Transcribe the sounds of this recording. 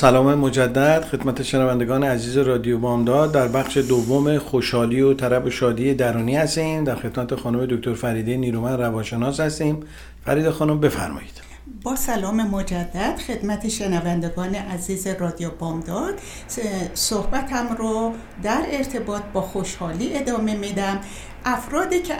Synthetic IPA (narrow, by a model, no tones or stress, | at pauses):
sælɒːmemod͡ʒæd̪ːæd̪̥xe̞d̪mæt̪ʰeʃenævænd̪e̞ɡɒːneæziːzeɾɒːd̪ijobɒːmd̪ɒːd̪ːæɾbæχʃe̞d̪ovːomexoʃhɒːliːot̪ʰæɾæboʃɒːd̪iːed̪æɾuːniːhæst̪iːmd̪æɾxe̞d̪mæt̪ʰexɒːnume̞d̪ok̚ʲt̪ʰoɾfæɾiːd̪eniːɾumænrævɒːnʃe̞nɒːshæst̪iːm | fæ̰ɾiːd̪exɒːnombe̞fæ̰ɾmɒ̰ːjid̪̥ | bɒːsælɒːme̞mo̞d͡ʒæd̪ːæd̪̥xe̞d̪̥mæt̪ʰeʃenævænd̪e̞ɡɒːne̞ʔæziːzerɒːd̪ijobɒːmd̪ɒːd̪̥ | sohbæt̪ʰæmɾɔ | d̪æɾe̞ɾt̪ʰe̞bɒːt̪̚ʰbɒːxoʃhɒːliːe̞d̪ɒːme̞mid̪æm | ʔæfɾɒːd̪iːcʰe